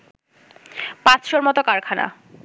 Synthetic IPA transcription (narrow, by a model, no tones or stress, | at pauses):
pãt͡ɕʃoɾmɔt̪okaɾkʰana̰